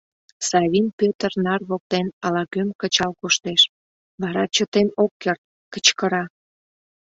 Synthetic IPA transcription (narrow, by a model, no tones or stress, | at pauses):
sɑβʲinpøt̪ərnɑrβok̚t̪enɑlɑkømkət͡ɕɑlkoʃt̪eʃ | βɑɾɑt͡ɕət̪enokːert̪̚ | kə̥t͡ɕkəɾɑ